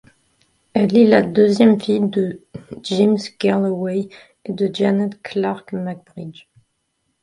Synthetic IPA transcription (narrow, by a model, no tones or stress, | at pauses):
ɛlelad̪øzjɛmfijd̪əd͡ʒimskɛʁlwɛj | ed̪əd͡ʒanɛt̪kʰlaʁkmaɡ̚bʁid͡ʒ